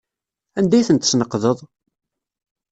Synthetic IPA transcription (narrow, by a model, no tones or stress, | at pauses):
ænd̪æjθənt̪snəqːðəðˤ